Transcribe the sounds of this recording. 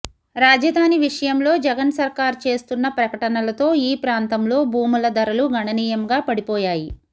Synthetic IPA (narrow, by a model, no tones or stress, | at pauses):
ɾaːd͡ʒɐd̪ʱaːniʋiʂɐjɐmlo̞ːd͡ʒɛɡɐnsɐɾkaːɾt͡ʃe̞ːst̪unːɐpɾɐkɐʈɐnɐlɐt̪o̞ːiːpɾaːnt̪ɐmlo̞ːbʱuːmulɐd̪ɐɾɐluɡʱɐɳɐniːjɐmɡaːpɐɽipɔːjaːji